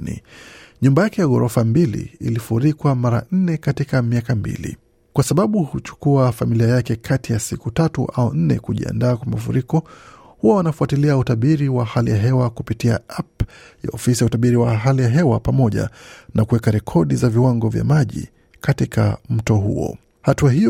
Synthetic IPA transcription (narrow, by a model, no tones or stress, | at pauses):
nḭɲumbajakɛjaɣɔɾɔfambilḭḭlifuɾikwamaɾa̰n̩nɛkatikamiakambḭlḭ | kwasaɓaɓuhut͡ʃu̥kuafamiliajakɛkʰatijasikutatuʔaɔn̩nɛ̰kuʄḭa̰ndaːkwamafṵɾikɔ | huwawanafuatiliautaɓiɾiwahalijaɦɛwakupitia̰apja̰ɔfisijautaɓiɾiwaɦalijaɦɛwapamɔʄa̰nakuwɛkaɾɛkʰɔɗizaviwaŋɡɔvja̰maʄḭ | katika̰m̩tɔɦṵɔ̰ | hatuaɦi